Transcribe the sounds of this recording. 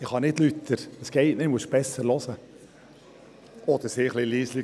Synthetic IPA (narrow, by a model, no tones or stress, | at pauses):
ɪχhɑnɪtlyt̪ʰːəɾəsɡ̥ɛɪtnɪmuəsb̥ɛsəɾlɔsə | ɔd̪əɾsɪːχlɪliːsli